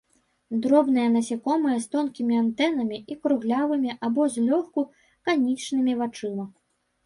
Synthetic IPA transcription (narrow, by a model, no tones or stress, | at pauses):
d̪ɾɔbnɨjɐnɐsʲikɔmɨjɐst̪ɔnkʲimʲiant̪ɛnɐmʲiikɾuɣlʲavɨmʲiʔabɔzʲlʲɔxku | kanʲit͡ʂnɨmʲivat͡ʂɨmɐ